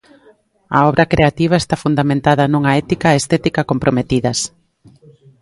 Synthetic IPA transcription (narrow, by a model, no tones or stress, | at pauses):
ɐ̰ɔβɾʔɐkɾeat̪iβ̞aest̪afund̪amẽnt̪að̞ɐnuŋɐɛt̪ikaest̪ɛt̪ikɐkompɾomet̪iðɐs